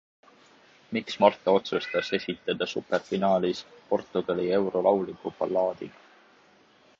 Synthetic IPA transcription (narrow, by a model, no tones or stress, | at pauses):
miksmɑrt̪ˑɑo̞t̪sust̪ɑse̞sʲit̪ˑːɑd̪̥ɑsuperfinɑːlispo̞rt̪ːˑuɡ̥ɑlie̞wɾo̞lɑwlikːˑupɑ̰lːɑːd̪̥iɡ̥ɑ